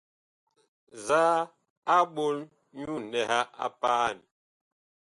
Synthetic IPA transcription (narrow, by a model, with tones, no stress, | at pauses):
zaː˦ | a˦ɓo˦l | ɲu˦nɛ˨ha˦ʔa̰˦paː˦˨n